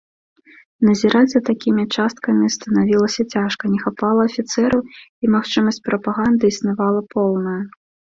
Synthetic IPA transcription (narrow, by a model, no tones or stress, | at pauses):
nɐzʲiɾad͡zʲzɐt̪akʲimʲit͡ʂast̪̚kɐmʲist̪ɐnavʲilˠɐsʲɐt͡sʲaʂkɐnʲɛxapalˠɐːfʲit̪sɛɾɐwimaxt͡ʂɨmɐsʲt͡sʲpɾɐpaɣand̪ɨisnavalˠɐpɔw̪ˠnɐjɐ